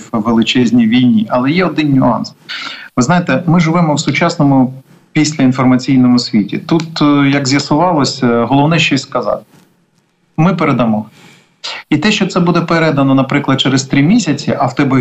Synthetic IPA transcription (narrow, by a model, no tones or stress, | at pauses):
ʋelˠɪt͡ʃɛzʲnʲijʋʲijnʲiʔɐlˠɛjɛɔd̪ɪnnʲʊɑ̰nsʋɪznɑjet̪ɛmɪʒɪʋɛmɔwsʊt͡ʃɑsnɔmʊ | pʲisʲlʲɐinfɔrmɐt͡sʲijnɔmʊsʲʋʲitʲḭt̪ut̪jɐɡzʲjɐsʊʋɑlˠɔsʲɦɔlˠɔwnɛʃt͡ʃɔsʲskɐzɑ̰t̪ | mɪpeɾed̪ɐmɔ | it̪ɛʃt͡ʃɔt̪sɛbud̪ɛpeɾɛd̪ɐnɔnɐpɾɪklˠɐd̪̚t͡ʃɛɾɪst̪ɾʲimʲisʲɐt͡sʲiʔɐwt̪ɛb